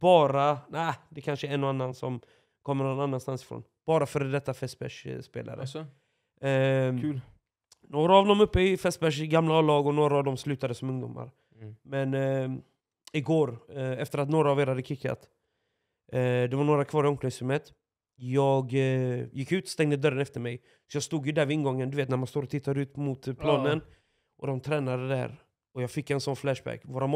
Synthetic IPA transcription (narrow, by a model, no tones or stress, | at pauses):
b̥ɑːɾanæːd̪ɛkʰanʂəɛnːʊanːansɔm | kʰɔmːəɾnɔnanːanst̪ansɪ̥fɾo̰ːnb̥ɑːɾafœːɾd̪ɛt̪ːafɛst̪̚bɛ̰ʂspḛːlʔa̰ɾə̰ | noːɾaːvd̪ɔmɵpːəɪfɛst̪̚bæʂɡamlalɑːɡɔnoːɾaːvd̪ɔmslʉ̟ːt̪ad̪əsɔmɵŋd̪ʊmːa̰ɾ | mɛn | ɪɡoːɾɛft̪əɾat̪̬noːɾaːveːɾhad̪ːəkʰɪkʰːa̰t̪ | d̪ɛvaɾɳoːɾakʰvɑːɾɪɔmkʰnɪŋsɪmːət̪ | jɑːɡjɪkːʉ̟ːt̪st̪ɛŋd̪əd̪œɾənɛft̪əɾmɛj | sɔjɑːɡst̪uːd̪jɵd̪æɾvɪɪnɡɔŋːənd̪ɵveːt̪næɾmanst̪oːɾɔt̪ʰɪt̪ʰːaɾʉ̟ːt̪mʊt̪pʰlɑːnən | ʔɔd̪ɔmt̪ʰɾɛːnad̪əd̪æ̰ɾ | ɔjɑːɡfɪkːɛnsɔnflæʂbæ̰kːvoːɾa